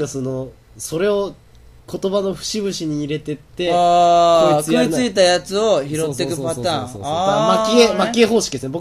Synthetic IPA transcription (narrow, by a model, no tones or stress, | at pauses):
kaso̞no̞ | so̞ɾe̞o̞ | kʰo̞t̪o̞bano̞ɸɯ̟̥ɕiβɯ̟ɕiɲ̟iːɾe̞t̪e̞t̪ːe̞a | kɯit͡sɨit̪ajat͡sɨo̞çiɾo̞t̪ːe̞kɯ̟pat̪ãːŋaamakʲiemakʲieɦo̞ːɕi̥kʲid̪esnbok